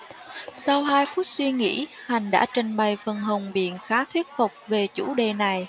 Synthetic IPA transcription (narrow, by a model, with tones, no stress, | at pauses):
sa˧wɦaː˧jfu˦˥t̚swi˧ŋḭ˧˥ha˨˩jŋ̟ɗa̰ː˧˥t͡ɕə˧˩nɓa˨˩jfə˨˩nɦə˨˩wŋ͡mɓḭ˧˨ənxaː˨˦t̪ʰwi˦˥ət̚fʊ˨˩k͡p̚ve˨˩t͡ɕṵ˧˥ɗe˨˩na˨˩j